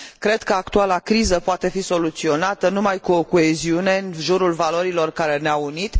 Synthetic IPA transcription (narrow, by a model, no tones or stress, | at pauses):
kɾe̞d̪kəakt̪ualakɾizəpoat̪e̞fiso̞lut̪sio̞nat̪ənumajkuokoeziune̞nʒuɾulvalo̞ɾilo̞rkaɾe̞neaunit̪